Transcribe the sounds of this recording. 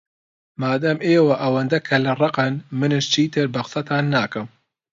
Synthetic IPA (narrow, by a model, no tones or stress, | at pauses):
maːd̪ɐmeːwɐʔɐwɐnd̪ɐkʰɐlɨrˤɑqɨnmɨnɨʃt͡ʃʰiːt̪ʰɨɾbɐqɨ̥sɐt̪ʰaːnːaːkɨm